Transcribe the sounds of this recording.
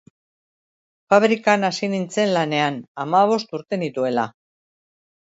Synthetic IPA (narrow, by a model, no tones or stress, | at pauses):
faβɾikanasinint͡se̞nlane̞anamaβ̞o̞st̪uɾt̪e̞nit̪ue̞la